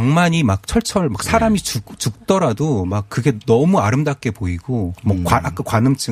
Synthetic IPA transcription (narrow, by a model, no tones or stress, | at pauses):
aŋmaɲimak̚t͡ɕʰʌɭt͡ɕʰʌɭmak̚sʰaɾamit͡ɕut͡ɕuk̚t͈ʌɾadomakk̚kːɯɡe̞nʌmuaɾɯmdak̚k͈e̞poiɡ̥omʌkwaak͈akwanɯmt͡ɕ͈ʰɯ